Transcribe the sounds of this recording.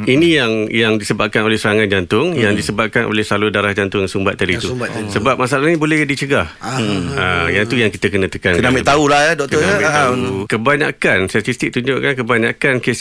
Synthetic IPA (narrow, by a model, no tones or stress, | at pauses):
inĩjaŋjaŋdisəbap̚kanolɛhsəɾaŋãnd͡ʒant̪ʊŋjaŋdisəbap̚kanʔo̰lɛhsəlalodaɾahd͡ʒant̪ʊŋsumbat̪̚t̪ːadit̪usəbap̚masaalaɦɲibolɛhdit͡ʃəɡah | ajat̪ujaŋkit̪akənə̃t̪əkankədamat̪aulahjadɔk̚kt̪ɔaukəbaɲa̰kanst̪at̪ist̪ik̚t̪uɲd͡ʒʊʔkankəbaɲakankes